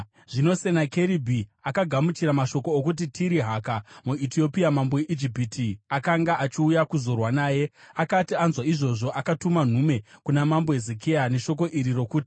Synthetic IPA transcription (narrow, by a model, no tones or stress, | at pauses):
ʐ̥ino̞se̞nake̞ɾibʱiakaɡʱamut͡ʃiɾamaʃo̞koːkut̬itʰiɾiɦakamuitio̞piamambojeʔid͡ʒipiːtʰiakaŋɡaat͡ʃiujakuzo̞rwanaːje̞akatianzwaiʐo̞ʐo̞ʔakatuman̤ume̞kunamambo̞ezekʰejane̞ʃo̞k̬o̞ʔiɾiro̞kuːti̥